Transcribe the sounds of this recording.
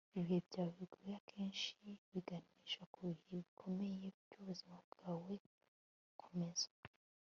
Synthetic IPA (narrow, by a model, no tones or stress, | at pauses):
iβiebɟaβiɡoɾiakʰeːnʃiβiɡaniʒakuheβikʰo̞mejeɟoβzimaβɡawe | kʰumez̥a